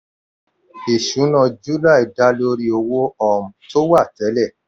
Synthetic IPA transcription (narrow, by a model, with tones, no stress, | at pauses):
i˨ʃũ˨˦nã˧d͡ʒu˦la˦˨i˨da˦lo˧ɾi˦o˧wo˦ɔ˦˨m̩˨to˦wa˦˨tɛ˨˦lɛ˦˨